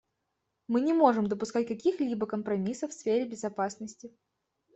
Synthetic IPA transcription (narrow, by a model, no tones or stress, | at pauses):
mɨnʲɪmo̞ʐɨmd̪əpʊskat̚ʲkɐkʲixlʲibəkəmpɾɐmʲisəfsfʲeɾʲɪbʲɪzɐpasnəsʲtʲɪ